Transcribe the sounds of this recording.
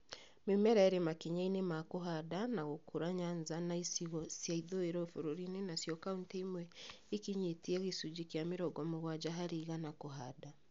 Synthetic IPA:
memɛɾɛɾemakiɲainemakoɦadanaɣokʰuɾaɲanzanaisiɣɔsjaiðoeɾɔfoɾoɾinenasjɔkauntaimwɛ | ikiɲetiɛɣesud͡ʒikjameɾɔɡɔmoɣwad͡ʒaɦaɾiːɣanakoɦada

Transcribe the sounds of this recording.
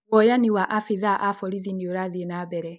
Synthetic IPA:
ɔjaniwaʔafeðaʔafɔɾiðinioɾaðenabɛɾɛ

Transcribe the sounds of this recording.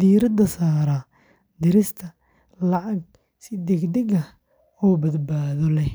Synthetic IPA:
d̪iːɾɐd̪ɐsaːɾɐ | d̪ɪɾɪst̪ʰɐ | lɑʕɑɡ̚ | sɪd̪ɛɡd̪ɛɡɐ | ɔːbɐd̪baːðɔlɛ

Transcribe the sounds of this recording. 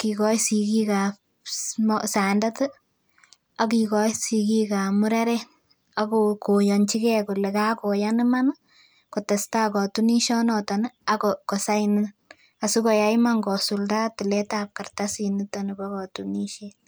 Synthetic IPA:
kikɔsikika | mɔsandatɨ | akikɔsikikamuɾaɾɛ | akokojɔnt͡ʃikɛkulɛkakojaniman | kotestakɔtuniʃɔnɔtanaokɔsaini | asukɔjaimaŋɡɔsuldatilɛtap̚kartasinitanibakɔtuniʃe

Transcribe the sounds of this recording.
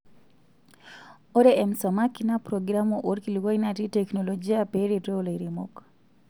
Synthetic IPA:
oɾeɛmsɔmakinapɾɔɡɾamoʔoɾkiluwainatitɛknolɔd͡ʒiapeɾetoleɾemo̰k

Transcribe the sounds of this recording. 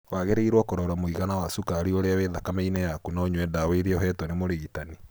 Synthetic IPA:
waɣeɾeiɾwɔkoɾaɾamoiɣanawasukaɾioɾeaweðakameinejakunaoɲwɛdaweɾeɔɦɛtwɔnemoɾeɣitani

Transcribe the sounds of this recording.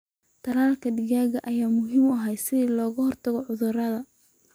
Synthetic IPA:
t̪ʰɐlaːlkʰɐd̪ɪɣaːɣɐʔɐjaːmʊɦiːmɐɦɛjsɪðiːlɔːɣɐhɔrt̪ʰɐɣɔʕʊðʊrɐðɐ

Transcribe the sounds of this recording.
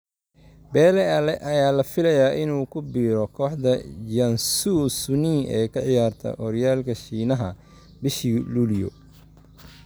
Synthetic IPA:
bɛːlɛɐlɛʔɐjaːlɐfɪlɐjaːʔɪnuːkʰʊbiːɾɔkʰɔːħd̪ɐd͡ʒɐnsusʊniʔɛːkʰɐʕɪjaːrt̪ʰɐ̰ʔɔɾjaːlkʰɐʃiːnɐɦɐ | bɪʃiːluːljɔ̰

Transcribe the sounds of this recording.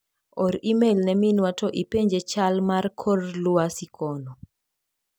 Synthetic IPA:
ɔɾimelnɛminwatɔʔipeɲd͡ʒet͡ʃalmarkʰɔrlʊasikʰɔnɔ

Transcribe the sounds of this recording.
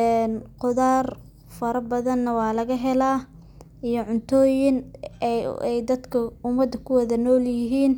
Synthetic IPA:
ɛːnqʊðaːr | fɐɾɐbɐðɐnːɐwɑːlɐɣɐɦɛlaː | ijɔʕʊnt̪ʰɔːjɪn | ɛjd̪ɐd̪kʰɐʊmɐd̪ːɐkʰʊwɐðɐnɔːljɪɦiːn

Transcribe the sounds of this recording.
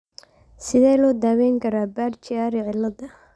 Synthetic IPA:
sɪðɛːlɔːd̪aːwɛːŋkʰɐɾaːbaːrt͡ʃɪaːɾɪʕɪlːɐdɐ

